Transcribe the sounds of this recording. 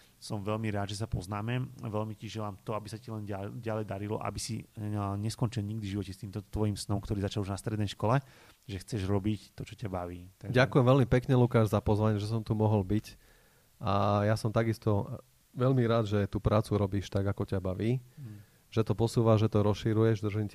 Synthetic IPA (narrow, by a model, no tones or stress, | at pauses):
sɔmʋɛlmiɾaːd̪ʒɛs̬apɔznaːmɛʋɛlmiciʒɛlaːmt̪ɔabisacilɛnaɟalɛjd̪aɾilɔ̰ʔa̰bisiɲɛskɔnt͡ʃilɲiɡ̚d̪iʒiʋɔcɛst̪iːmt̪ɔt̪ʋɔjimsnɔmkt̪ɔɾiːzat͡ʃaluʒnast̪ɾɛd̪nɛjʃkɔlɛ | ʒɛxt͡sɛʒɾɔbict̪ɔt͡ʃɔcabaʋiːt̪aɟakujɛmʋɛlmipɛkɲɛlukaːʒzapɔzʋaɲɪɛʒɛs̬ɔmt̪umɔɦɔlbic | ʔajasɔmt̪aɡist̪ɔ | ʋɛlmiɾaːd̪ʒɛt̪uːpɾʔaːt͡suɾɔbiːʃt̪aɡakɔcabaʋiː | ʒɛt̪ɔpɔsuːʋaʒɛt̪ɔɾɔsʃiɾujɛʒd̪r̩ʒim